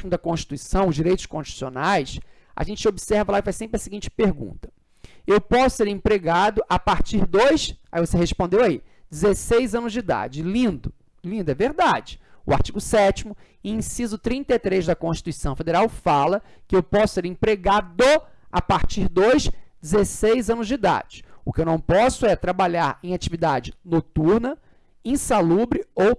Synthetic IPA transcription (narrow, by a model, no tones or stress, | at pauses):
imʊd̪ɐkõʃt͡ʃi̥t̪uisɐ̃w̃ʊzd͡ʒiɾejt̪ʊ̥ʃkõʃt͡ʃit̪usio̰najs | ʔa̰ʒẽnt͡ʃɪobisɛɾvɐlaifajsẽmpɾɪɐsiɡĩnt͡ʃɪ̥peɾɡṵ̃nt̪ɐ̥ | ewpɔsʊ̥seɾẽpɾeɡad̪ʊʔapaɾt͡ʃiɾd̪ojsaivoseɦespõnd̪ewai | d͡ʒɪzesejzɐ̃nʊzd͡ʒid̪a̰d͡ʒɪlĩnd̪ʊ | lĩnd̪ʊɛveɾd̪ad͡ʒɪʊ̰a̰ɾt͡ʃiɡʊsɛt͡ʃimʊ | ĩsizʊt̪ɾĩnt̪ɐat̪ɾezd̪ɐkõʃt͡ʃi̥t̪uisɐ̃w̃fed̪eɾawfalɐkɪewpɔsʊ̥seɾẽpɾeɡad̪oa̰paɾt͡ʃiɾd̪ojsd͡ʒɪzesejzɐ̃nʊzd͡ʒɪd̪a̰d͡ʒɪʊkɪewnɐ̃w̃pɔsʊɛt̪ɾabaʎaɾẽj̃at͡ʃivid̪ad͡ʒɪnot̪uɾnɐ | ẽsalubɾɪow